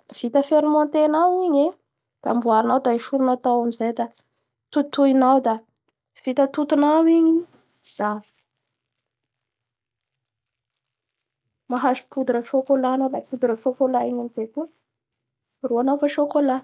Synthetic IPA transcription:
v̥it̪əfeɾimɔnt̪enawiɲe | d̪̥a̰mbuaɾinawd̪aiʃuɾunat̪awamizajd̪a | t̪ut̪uinawd̪a | v̥it̪ət̪ut̪unawiɲi | z̥avi̥ | maɦaʃi̥pud̪uɾəʃokolanawlapud̪uɾəfokolaiɲamizejkuə | ruanafaʃokola

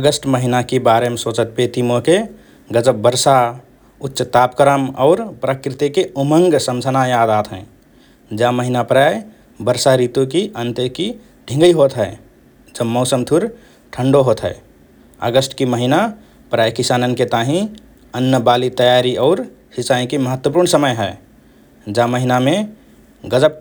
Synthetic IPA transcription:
əɡəsʈməɦinakebaɾemesot͡ʃət̪̚pet̪imoke | ɡəd͡ʒəbbəɾsa | utːʃət̪apkəɾəmɔ̰ʊɾpɾəkɾit̪ikeuməŋɡsəmd͡ʒʱənajad̪at̪ʰɦɛ̰̃ | d͡ʒaməɦinapɾaj | bəɾsaɾit̪ukiʔənt̪əki | ɖʱĩŋɡəiɦot̪ɦɛɪ | d͡ʒəbmɔʊsəmt̪ʰuɾ | ʈʰəɳɖoɦoːt̪ɦɛ̰ɪ | ə̰ɡəsʈkiməɦina | pɾaːjkisaːnənket̪aɦĩ | ənːəbaːlit̪əjaɾiɔːɾ | hɪsaĩkiməɦət̪wəp̬uːɾɳsəməjɦɛ | d͡ʒaməɦinamẽ | ɡəd͡ʒəb̚

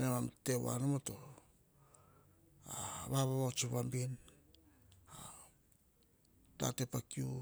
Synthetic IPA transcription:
nemamtewa̰nomoto | aβaβaβat͡ʃuβambin | a | ta̰tepakiu

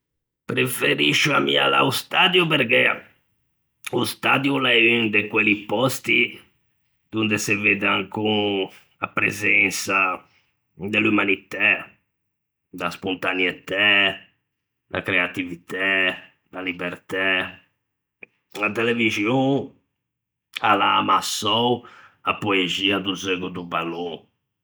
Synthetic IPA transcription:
pɾefeɾiʃːuamːḭa̰la̰ust̪ad̪jupeɾkɛ | ust̪ad̪julaynd̪ekwelipɔst̪i | d̪̥und̪eseved̪eaŋku | apɾḛzɛnsa | d̪elumanit̪a | d̪aspont̪aniet̪ɛ | d̪a̰kɾeat̪ivit̪ɛ | nalibɛɾt̪ɛ | lat̪ɛlevizjõ | alaːmasɔwapoeziad̪uzeɡud̪ubalo

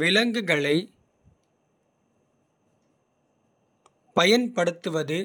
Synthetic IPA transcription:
ʋɪlɐŋɡɯɣɐɭɐɪ | pɐjɐnpɐɽɯt̪ːɯʋɐðɯ

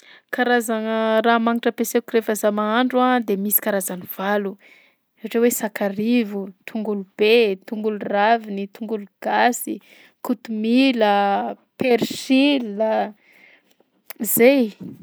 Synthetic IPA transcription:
kaɾazanəɾamaŋiʈ͡ʂəpeseukiɾefəzamaaɳɖ͡ʐuad̪emisi̥kaɾazaniv̥alu | eaʈ͡ʂewesakarivut̪ʰuŋɡulub̥et̪uŋɡuluravinit̪uŋɡuluɡ̥asi | kut̪umilə | peɾʃilːə | zej

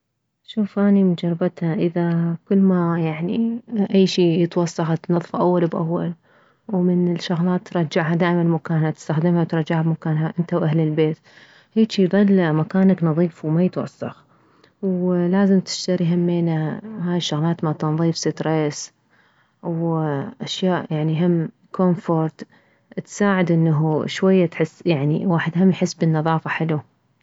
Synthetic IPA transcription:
ʃuːfʔaːnimɪnd͡ʒɑɾˤbat̪haʔɪðakʊlːmajaʕniʔajːʃiːjɪt̪wɑsˤːɑxt̪nɑðˤfʔawːalbʔa̰wːal | wmɪnɪlʃaɣlɑːt̪ːɾˤɑd͡ʒaʕɦad̪aːʔɪmanmakaːnhat̪ɪ̥st̪axd̪ɪmhawt̪ɾˤɑd͡ʒaʕabmakaːnɦaʔɪnt̪awʔahlɪlbeːt̪ | heːt͡ʃjðˤɨlːmakaːnaknɑðˤiːfwmajɪt̪wɑ̰sˤːɑ̰x | wlaːzɪmt̪ɪ̥ʃt̪aɾijɦamːeːnahaːjɪʃːʊɣlɑːt̪mat̪ɑnðˤiːfsɪt̪ɾes | wʔaʃjaːʔjaʕniɦɪmː | kʰomfoɾˤt̪ | t̪saːʕɪd̪ʔɪnːaɦʃwajːat̪ħɪsːjaʕnḭwaːħɪd̪ɦamːjħɪsːbɪnːɑðˤɑːfaħɪlu

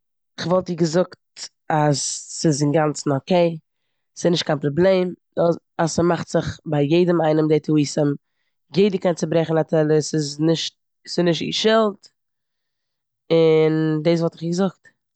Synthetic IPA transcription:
ɪχvɔlˠtiːɡəzʊkt | asːɪsɪŋɡant͡sn̩okeɪ | sɪsnɪʃt̚kʰaɪnpɾɔblˠeɪm | asəmaχtz̥ɪχbaɪjeɪdəmaɪnəmdeɪtʰuiːsəm | jeɪdəkɛnt͡sɪbɾɛχn̩atʰɛlˠəsɪznɪʃt | sɪnɪʃtḭːʃɪlˠt | ɪndeːs̬vɔlˠtɪχiːɡəzʊkt

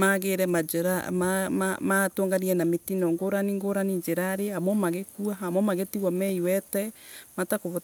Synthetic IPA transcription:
maɣeɾɛmad͡ʒɛɾamamamatoːŋɡaniɛnametinɔŋɡoɾaniŋɡoɾanid͡ʒeɾaɾehamwɔmaɣekuaɦamwɔmaɣetiɣɔmɛiwɛtɛmatakoβɔ

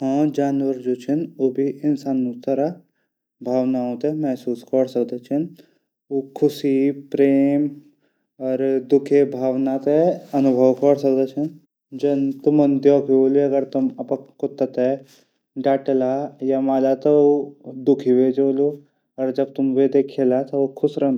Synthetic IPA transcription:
ɦɔ̃ːd͡ʒaːnʋəɾd͡ʒoːt͡ʃʰənoːbʱiʔɪnsaːnːũst̪əɾa | bʱaːʋnaɦõt̪emɛɦsuːskəɽsɐkd̪et͡ʃʰən | oːkʰʊsipɾeːm | ɔːɾd̪ʊkʰebʱaːʋnat̪eɐnʊbʱəwkəɾsɐkd̪et͡ʃʰɐn | d͡ʒɐnt̪ʊmənd̪joːkioːliɐɡəɾt̪umɐpəkʊt̪ːət̪e | ɖaːʈelajamaːlat̪ɔod̪ʊkʰiʋed͡ʒoːlo | ɔːɾd͡ʒɐb̚t̪ʊmʋed̪ekʰelat̪ɔokʰʊsɾɐ

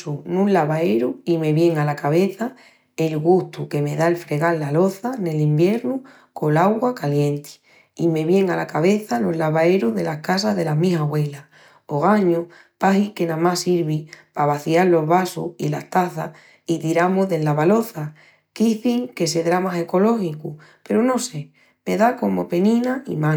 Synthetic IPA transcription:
sunũnlaβaeɾuime̞βje̞ŋalakaβe̞θa | elɣuht̪uke̞me̞ðaelfɾe̞ɣalːalo̞θane̞limbje̞ɾnu | ko̞laɣwakaljẽ̞nt̪i̥ | ime̞βje̞ŋalakaβe̞θalo̞ɦlaβae̞ɾuðe̞lahkas̬aɦðe̞lamiɦaɣwe̞la | oɣaɲo | pahike̞nãmasiɾβipaβaθiallo̞ɦβasṵḭlaht̪aθa̰ | it̪iɾamoɦðe̞lːaβalo̞θa | kiθiŋke̞s̬e̞ðɾamase̞ko̞lo̞xikupe̞ɾono̞se̞ | me̞ðako̞mo̞̰pe̞nĩnaḭmã

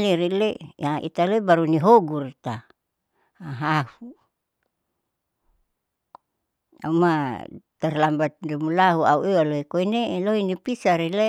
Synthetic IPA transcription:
liɾileaʔḭt̪aloibaɾuniɦoɡurt̪a | aɦahu | a̰umat̪arlambat̪̚dimulaɦuauewaloikoineloinipisaɾile

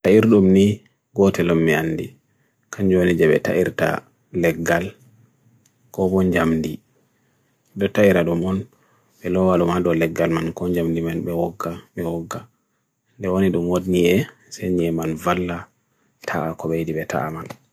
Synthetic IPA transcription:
taiɾɗumni | ɡɔtɛlɔmːianːdḭ | kʰaɲd͡ʒonid͡ʒɛɓɛ̰ta̰ʔiɾta̰ | lɛɡːal | kɔɓɔɲd͡ʒamdi | dɔtaiɾaɗumɔn | ɓɛlɔwalumadɔlɛɡːalmankɔɲd͡ʒamdimanɓɛwɔɡːaɓɛwɔɡːa | ndɛwoniɗumwodniɛ | seɲiɛmanvalːa | tʰaakɔɓejdiɓɛtʰa̰ʔaman

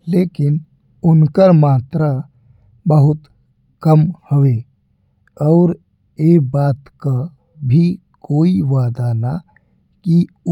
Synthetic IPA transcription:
leːkɪn | ʊnkəɾmaːt̪ɾa | bəɦʊt̪ | kəmhoʋe | ɔːɾ | eːbaːt̪ka | bʱi | koːiʋaːd̪ana | ki

